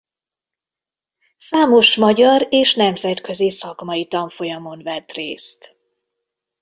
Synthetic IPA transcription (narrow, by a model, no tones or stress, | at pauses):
saːmo̞ʃmɒɟɒɾeːʃnɛmzɛt̪kø̞zisɒkmɒjit̪ɒɱfo̞jɒmo̞nvɛt̪rḛːst̪